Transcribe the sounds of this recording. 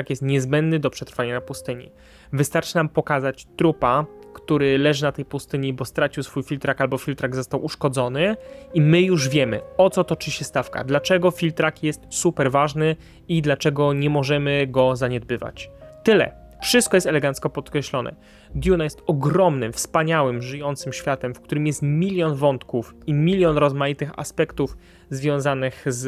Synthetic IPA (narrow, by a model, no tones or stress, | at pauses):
akjɛst̪ɲɛzbɛnd̪nɘd̪ɔpʂɛt̪ɾfaɲanapust̪ɘɲḭ | vɘst̪aɾt͡ʂɘ̥nampɔkazat͡ɕt̪ɾupakt̪uɾɘlɛʐɘnat̪ɛjpust̪ɘɲibɔst̪ɾat͡ɕiwsfujfʲilt̪ɾakalbɔfʲilt̪ɾaɡzɔst̪awuʂkɔd̪zɔnɘimɘjuʐvʲjɛmɘ̰ɔt̪sɔt̪ɔt͡ʂɘɕɛst̪afka̰d̪lat͡ʂɛɡɔfʲilt̪ɾakjɛst̪supɛɾvaʐnɘ | id̪lat͡ʂɛɡɔɲɛmɔʐɛmɘɡɔzaɲɛd̪̚bɘva̰t͡ɕt̪ɘlɛ̰ | fʂɘst̪kɔjɛst̪ɛlɛɡant̪skɔpɔt̪kɾɛɕlɔnʔɛ̰ | d̪ʲjunajɛst̪ɔɡɾɔmnɘmfspaɲawɘmʐɘjɔnt̪sɘmɕfʲjat̪ɛmfkt̪uɾɘmjɛst̪mʲilʲjɔnvɔnt̪kufimʲilʲjɔnɾɔzmajit̪ɘxa̰spɛkt̪uf | zvʲjɔ̃w̃zanɘxz